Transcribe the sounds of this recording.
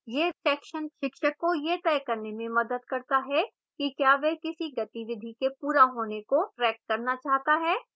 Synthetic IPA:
jeːsɛːkʃənʃɪkʃəkːojet̪ɛːkɐɾnemẽmɐd̪əd̪kɐɾt̪aɦɛ | kikjaːʋɛɦkɪsiɡɐt̪iʋɪd̪ʱikepuːɾaɦoːnekoɾɛːk̚ʈ̚kɐɾnat͡ʃaːɦt̪aɦɛː

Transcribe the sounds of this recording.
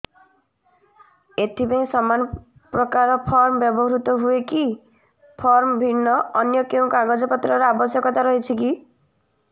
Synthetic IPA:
et̪ʰipaĩsɔmanɔ | pɾɔkaɾɔpʰɔɾmɔbjɔbɔɦɾut̪ɔɦueki | pʰɔɾmbʱinːɔːnjɔkeũkaɡɔd͡ʒɔpɔt̪ɾɔɾeabɔsjɔkɔt̪aɾɔɦit͡ʃʰiki

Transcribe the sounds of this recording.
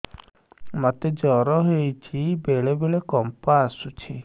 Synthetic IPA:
mat̪ed͡ʒɔɾɔɦejt͡ʃʰibeɭebeɭekɔmpaasut͡ʃʰi

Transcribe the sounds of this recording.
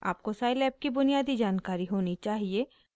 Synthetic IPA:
a̰ːp̚kosaːjlɛːp̚kibʊnijaːd̪id͡ʒaːnkaːɾiɦoːnit͡ʃaːɦie

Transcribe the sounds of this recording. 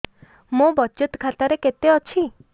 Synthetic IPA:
mũbɔt͡ʃut̪kʰat̪aɾeket̪eɔt͡ʃʰi

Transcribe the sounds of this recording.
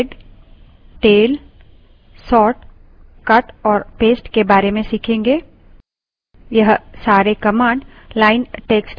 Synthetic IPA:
ɖ | ʈeːl | sɔːʈ | kɐʈɔːɾpeːsʈkebaːɾemẽsikʰẽːŋɡeː | jɐɦsaːɾekɐmãːɳɖ | laːɪnʈeːksʈ

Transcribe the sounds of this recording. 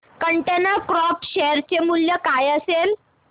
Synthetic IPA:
kəɳʈenəkɾɔpɕɛəɾt͡ɕemuljəkajəsel

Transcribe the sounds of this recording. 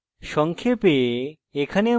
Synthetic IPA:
ʃɔŋkʰepe | ekʰane

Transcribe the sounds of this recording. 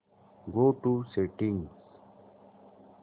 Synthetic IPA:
ɡoːʈuseʈĩŋs

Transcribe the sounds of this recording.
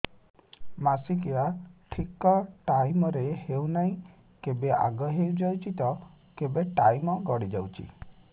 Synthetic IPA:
masikiaʈʰikɔʈajmɔɾehewnaɦĩ | kebeʔa̰ɡɔɦewd͡ʒawt͡ʃit̪ɔ | kebeʈajmɔɡɔɽid͡ʒawt͡ʃʰḭ

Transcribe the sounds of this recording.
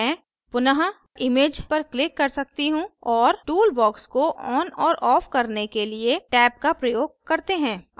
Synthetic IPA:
ɛ̃ː | pʊnəɦa | ɪmeːd͡ʒpɐɾklɪkːɐɾsɐk̚t̪iɦũɔːɾʈuːlbɔːkskoʔɔːnɔːɾʔɔːfkɐɾnekelieʈɛːp̚kapɾɐjoːɡ̚kɐɾt̪eɦɛ̃ː

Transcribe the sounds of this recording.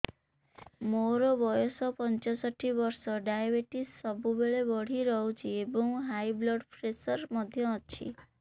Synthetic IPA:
moɾɔbɔjɔsɔpɔnt͡ʃɔsɔʈʰːibɔɾsɔɖajbeʈisːɔbubeɭebɔɽ̤iɾɔɦwt͡ʃʰiebɔŋɦajblɔɖpʰɾesɔɾmɔd̪ʱjɔːt͡ʃʰḭ

